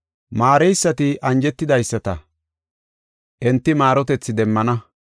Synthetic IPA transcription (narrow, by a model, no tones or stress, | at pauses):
maːɾɛjsːɐt̪ɪʔɐnd͡ʒɛt̪ːɪd̪ɐjsːɐt̪ɐ | ʔɛnt̪ːɪmaːɾɔt̪ɛt͡sːɪd̪ɛmːɐnɐ